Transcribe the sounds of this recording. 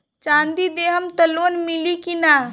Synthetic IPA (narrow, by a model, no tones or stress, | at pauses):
t͡ʃãːnd̪id̪eːɦəmt̪əlonmɪlikinaː